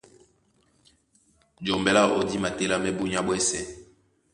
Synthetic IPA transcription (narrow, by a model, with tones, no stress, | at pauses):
d͡ʒo˨mbɛ˦la˦o˨di˦ma˨te˦la˦mɛ˦bu˦ɲa˦bwɛ˦sɛ˦